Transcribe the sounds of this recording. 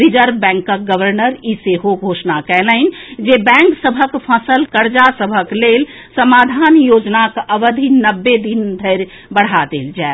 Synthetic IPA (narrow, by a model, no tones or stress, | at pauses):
ɾid͡ʒəɾbɛ̃ŋkːək̚ɡəʋəɾnəɾiseɦoɡʱoːʃnakɛləɪnd͡ʒebɛ̃ːŋksəbʱəkpʰəsəlkəɾd͡ʒasəbʱəklel | səmaːd̪ʱanjod͡ʒnakʔəʋəd̪ʱinəbːed̪ind̪ʱəɪɾ | bəɽ̤ad̪eːld͡ʒae